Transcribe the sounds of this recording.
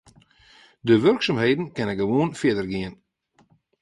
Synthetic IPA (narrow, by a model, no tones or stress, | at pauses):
døʋørksɔmhejdn̩kɛnɛɡəʋoːnfɪədərɡiən